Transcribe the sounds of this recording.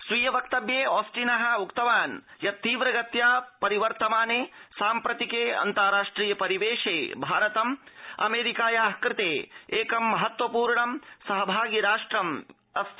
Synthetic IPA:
sʋiːjɐʋɐk̚t̪ɐbjeːɔːsʈinɐɦɐ̆ukt̪ɐʋaːnjɐt̪ːiːʋɾɐɡɐt̪jaːpɐɾiʋɐɾt̪ɐmaːneːsaːmpɾɐt̪ikeːɐ̰nt̪aːɾaːʂʈɾiːjɐpɐɾiʋeːʂeːbʱaːɾɐt̪ɐmɐ̰meːɾikaːjaːɦkɾɪt̪eːeːkɐmːɐɦɐt̪ʋɐpuːɾɳɐmsɐɦɐbʱaːɡiɾaːʂʈɾɐm | ɐs

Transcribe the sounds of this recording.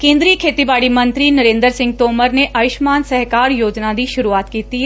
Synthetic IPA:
kẽːnd̪ɾikʰeːt̪ibaːɽimɐ̃nt̪ɾinɐɾẽːnd̪əɾsɪ̃ŋɡ̚t̪oːməɾneʔɐʋɪʃmaːnsɐɦkaːɾjoːd͡ʒnad̪iʃʊɾuaːt̪kiːt̪iɦɛ

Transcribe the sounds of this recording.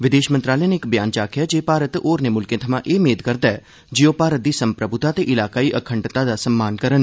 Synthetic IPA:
ʋɪd̪eːʃmənt̪ɾaːlɛjaneɪkbɪjaːnt͡ʃaːkʰjaːd͡ʒeːpaːɾət̪oːɾneːmʊlkẽːt̪ʰɐmãʔeːmeːd̪kəɾd̪aɛ | d͡ʒɪoːpaːɾət̪̚d̪iːsəmpɾəbʊt̪aːt̪eːʔɪlaːkaːiːʔəkʰə̃ɳɖt̪ad̪aːsəmːaːnkəɾən

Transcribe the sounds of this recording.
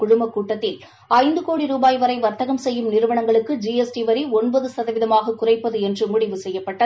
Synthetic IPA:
kʊɻʊmbɐkːuːʈːɐt̪ːɪl | ɐɪnd̪ɯkoːɽiɾuːbaːjʋɐɾɐɪʋɐɾt̪ɐɣɐmsɛjːɯmnɪɾɯʋɐɳɐŋɡɐɭɯkːɯd͡ʒiːɛsʈiʋɐɾiɔnbɐðɯsɐðɐʋɪðɐmaːɣɐkːʊrɐɪpːɐðɯɛndrɯmʊɽɪʋɯsɛjːɐpːɐʈːɐðɯ

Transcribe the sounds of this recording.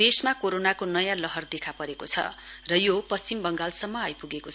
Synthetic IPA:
esmakoɾonakonʌjãlʌɦʌrd̪ekʰapʌɾekot͡sʰʌ̰rʌjopʌst͡simbʌŋɡalsʌmːʌajpuɡeko

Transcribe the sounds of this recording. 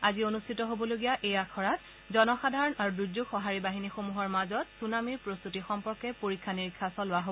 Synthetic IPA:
azionustʰitɔɦobɔloɡijaʔejakʰɔɹat̚ | zɔnɔxadʱaɹɔnaɹuduzuɡxɔɦaɹibaɦinixomuɦɔɹmazɔtsunamiɹpɹost̪utixɔmpɔɹkɛpoɹikʰːaniɹikʰːasɔlʊwaɦo

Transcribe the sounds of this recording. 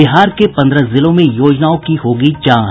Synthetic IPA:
ɪɦaːɾkepɐ̃nd̪ɾəzɪlõmẽjoːd͡ʒnaːõkiɦoːɡit͡ʃãː

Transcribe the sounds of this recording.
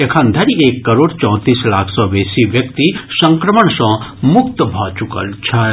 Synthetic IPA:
ekʰɐ̃nd̪ʱɐɾieːkːɐɾoːɖt͡ʃɔ̃ːt̪iːslaːkʰsɔːʋeːsiʋjɐkt̪isɐ̃ŋkɾəməɳsɔ̃ːmʊkt̪əbʱaːt͡ʃukə̰lt͡ʃʰa

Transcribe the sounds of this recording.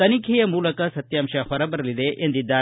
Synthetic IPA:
ɐnikʰijɐmuːlɐkɐsɐt̪jaːmʃɐhɔɾɐbɐɾɐlid̪eʔend̪id̪ːaː

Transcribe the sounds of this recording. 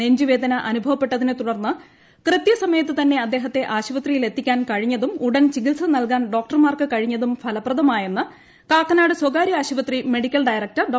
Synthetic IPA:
eɲd͡ʑiʋe̞ːd̪ʱɐnɐʔɐnubʱɐʋɐpːe̞ʈːɐðinɨt̪uɽɐrnːɨ | krɨt̪jɐsɐmɐjɐt̪ːɨt̪ɐnːe̞ɐd̪ːe̞ːɦɐt̪ːe̞ʔaːɕiʋɐt̪rijile̞t̪ːikʲːaːnkɐɻiɲːɐðumuɽɐnt͡ɕiɡilsɐnɐlkaːnɖo̞ːk̚ʈɐrmaːrkɨkɐɻiɲːɐðumfʰɐlɐprɐðɐmaːjenːɨ | kaːkːɐnaːɽɨswɐɡaːɾiaːɕiʋɐt̪rime̞ɽikʲːɐlɖɐjrɐk̚tɐrɖ

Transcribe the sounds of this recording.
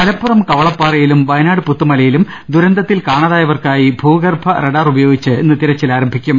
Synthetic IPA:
kɐlɐpːurɐmkɐʋɐɭɐpːaːrɐjilumʋɐjnaːɽɨput̪ːumɐlɐjilum | d̪uɾɐnd̪ɐt̪ːilkaːɳɐðaːjɐʋɐrkaːjibʱuːɡɐrbʱɐreɽaːrubɐjo̞ːɡit͡ɕːɨenːɨt̪iɾɐt͡ɕːilaːɾɐmbʱikʲːum

